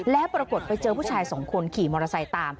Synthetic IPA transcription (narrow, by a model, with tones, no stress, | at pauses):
lɛ˦˥ʔpɾa˧ko˨˩t̪̚pa˧jt͡ɕɤː˧pʰuː˥˩t͡ɕʰaː˧jso˨˩˦ŋkʰo˧nkʰiː˨˩mɔː˧ɾa˧sa˧jt̪aː˧m